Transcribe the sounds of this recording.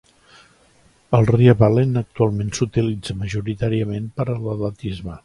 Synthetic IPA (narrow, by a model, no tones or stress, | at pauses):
əlˠriəβalenək̚t̪ualˠmensut̪ilid͡zəməʒuɾit̪aɾiəmenpəɾəlˠələt̪izmə